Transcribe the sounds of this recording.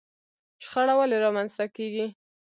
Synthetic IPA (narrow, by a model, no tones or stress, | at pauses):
ʃxaɽawaleɾɑmanzt̪akeɡi